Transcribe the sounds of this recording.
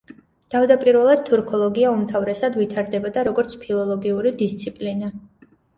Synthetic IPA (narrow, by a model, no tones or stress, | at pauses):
t̪ʰavd̪apʼiɾvɛlˠad̪̚t̪ʰuɾkʰɔlˠɔɡiaumt̪ʰavɾɛsad̪vit̪ʰaɾd̪ɛbɔd̪aɾɔɡɔɾt̪sʰpʰilˠɔlˠɔɡiuɾid̪ist̪sʰipʼlina